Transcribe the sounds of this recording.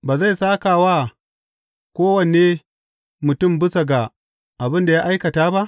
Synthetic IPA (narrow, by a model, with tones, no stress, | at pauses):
baː˨za˦˨jsaː˦ka˨waː˦ | kʷoː˦wɐ˨ne˦ | mʊ˨tʊ˦˨mbʊ˦sɐ˨ɡa˨ | ʔa˨bɪ˦nda˨ja˦ʔa˦jkɐ˨taː˦ba˦ʔ